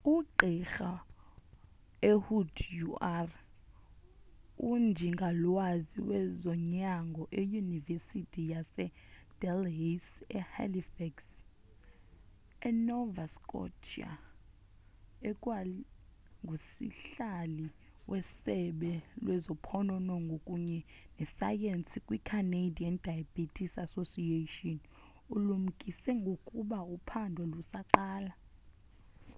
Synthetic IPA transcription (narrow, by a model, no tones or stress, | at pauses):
uǃʱixa | ehudʰjuar | und͡ʒʱiŋɡʱalwaziwɛzɔɲaŋɡʱɔʔejunivesitʰʼijasɛd̥ɛlɦesɛ̰ha̰lifɛks | ɛnɔvaskʼɔ̰t͡ʃʰia̰ | ɛkʼwali | ŋɡʱusḭɬali | wʔɛsɛɓɛlwʔɛzɔpʰɔnɔnɔŋɡʱokʼuɲɛ | nɛsa̰jensikʼwikʰanedʱiɛnd̥ʱajab̥itʼʰisasosietiɔn | ulum̩kʼisɛŋɡʱokʼuɓaupʰandʱɔlusaǃaːla